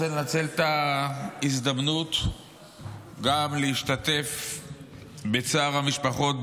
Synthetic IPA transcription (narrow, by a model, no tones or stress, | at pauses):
enat͡se̞lt̪a | izd̪amnut̪ | ɡamleiʃtat̪e̞f | bet͡saːʁhamiʃpaχo̞t